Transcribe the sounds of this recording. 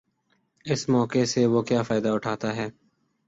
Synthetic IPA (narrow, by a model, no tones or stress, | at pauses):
ɪsmɔːkeseʋoːkjaːfaːɪd̪aʊʈʰaːt̪aɦɛː